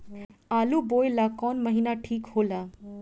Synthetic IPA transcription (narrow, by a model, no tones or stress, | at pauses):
alubojlakɔnməɦinaʈʰiːkhoːla